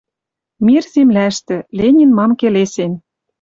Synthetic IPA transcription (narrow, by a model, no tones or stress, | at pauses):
mirzemlæʃt̪ɘ̆lenʲinmɑmkelesen